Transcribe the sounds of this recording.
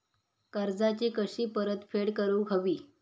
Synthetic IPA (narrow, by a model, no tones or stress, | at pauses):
kəɾd͡zat͡ɕiːkəɕiːpəɾət̪feɽkəɾuːɡʱəʋiː